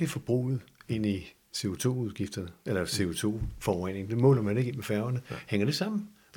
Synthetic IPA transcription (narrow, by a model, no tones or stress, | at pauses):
ifɒ̽b̥ʁṵːð̩ˠe̝n̰i | se̝o̝t͡sʰo̝̰ːuð̞ˠɡ̥ifd̥ɐnəelɐse̝o̝t͡sʰo̝̰ːfɒʁɛn̰e̝ŋd̥e̝mɔ̰̽ːlɐmæne̝ɡ̥imefæɐʊɐnəheŋ̰ɐɾ̥e̝sɑ̈m̰n̩